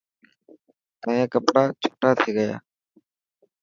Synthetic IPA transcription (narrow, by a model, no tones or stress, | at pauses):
t̪ãːjãːkəpɽaːt͡ʃʰo̥ːʈaːt̪ʰiːɡəja̰ː